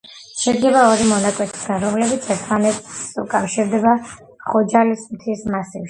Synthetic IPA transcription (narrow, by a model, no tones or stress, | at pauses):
ʃɛɡlɛbaɔɾimɔnakʼwɛt̪ʰi̥sɡanɾɔmlɛbit̪sʰɛɾt̪ʰmanɛt̪ukʼafʃiɾd̪ɛba | χɔd͡ʒalismt̪ʰismasifʃi̥